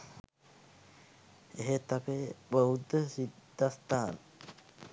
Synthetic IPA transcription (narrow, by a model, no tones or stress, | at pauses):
eɦet̪apebəud̪əsid̪ʱːast̪aːnə